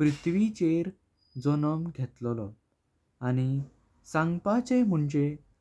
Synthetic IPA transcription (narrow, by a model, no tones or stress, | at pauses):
pɾit̪ʰʋit͡ɕeɾ | d͡zɔnəmɡʱet̪lɔlɔ | añi | sãŋɡpat͡sẽm̤uɳd͡ʑe